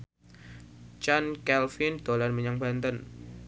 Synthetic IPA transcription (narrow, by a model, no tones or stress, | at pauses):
t͡ʃankɛlfɪnd̪̥olanməɲaŋba̤nt̪ən